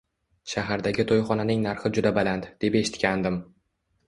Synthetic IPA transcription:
ʃaɦaɾd̪aɡʲɪt̪ʰojχɒnanɪŋnaɾχɪd͡ʒʊd̪abalant̪d̪̥epe̞ʃɪ̥t̪kʲand̪ɪm

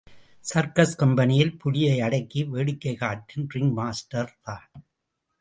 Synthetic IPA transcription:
sɐɾkɐskɐmbɐnɪjɪlpʊɻɪjɐɪɐɽɐɪkːiʋeːɽɪkːɐɪkaːʈ̚kɪnrɪŋmaːsʈɐɾt̪aːn

